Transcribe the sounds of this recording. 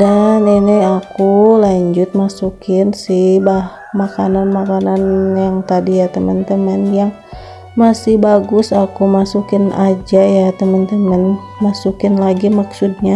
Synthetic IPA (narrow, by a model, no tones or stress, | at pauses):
daniniakulaɲd͡ʒʊt̪̚masukɪnsɪhbah | makananmakananjaŋt̪adijat̪əmənt̪əmənjaŋ | masɪhbaɡʊsakumasukɪnʔad͡ʒajat̪əmənt̪əmən | masukɪnlaɡimaksud̚ɲa